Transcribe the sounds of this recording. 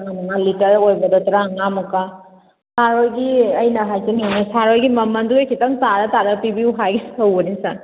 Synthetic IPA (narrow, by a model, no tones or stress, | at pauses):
ŋamɐŋalitɐɾojbɐdɔtɐɾaŋamɐka | saɾojɡiɐjnɐɦajtinanisaɾojɡimɐmɐnduɡekʰitɐŋtaɾɐtaɾɐpibiuɦaɡiɐwbɐnisa